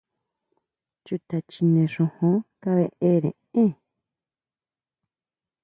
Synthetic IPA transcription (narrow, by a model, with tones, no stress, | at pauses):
t͡ʃu˨t̪a˨t͡ʃi˧nẽ˨ʂõ˧hõ˧˦ka˦βe˧ʔe˦ɾḛ̃˨ẽ˦